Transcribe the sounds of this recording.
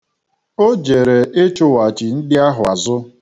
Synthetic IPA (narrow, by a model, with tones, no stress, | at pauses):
o˦d͡ʒe˨ɾe˨ʔe˦t͡ʃʊ˦wa˨t͡ʃi˨n̩˦dɪ˦a˦ɦʊ˨a˨zʊ˦